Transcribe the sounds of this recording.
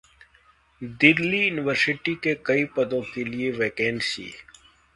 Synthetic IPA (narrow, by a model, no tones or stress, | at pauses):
d̪ɪɾlijuːnɪʋəɾsɪʈikekɐipɐd̪õkelieʋeːkeːnsḭː